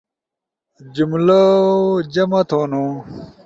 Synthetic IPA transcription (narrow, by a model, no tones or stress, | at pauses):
d͡ʑumlod͡ʑɐmɐt̪ʰoːno